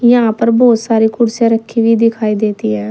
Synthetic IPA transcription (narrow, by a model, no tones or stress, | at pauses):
jãːpəɾbɔːt̪saːɾiːkʊɽsjaːɾəkʰːiːʋiːd̪ɪkʰaːiːd̪eːt̪iːɛː